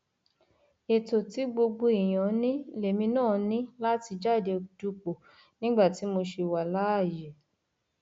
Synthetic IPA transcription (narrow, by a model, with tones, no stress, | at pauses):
e˨to˨ti˨˦ɡ͡bo˧ɡ͡bo˧i˨j̃ã˨˦nĩ˦le˨mĩ˧nãː˦˨nĩ˦la˦ti˧d͡ʒa˦˨de˧du˧˦k͡po˨ | nĩ˦ɡ͡ba˦˨ti˨˦mo˧ʃe˧wa˨la˦a˦˨je˨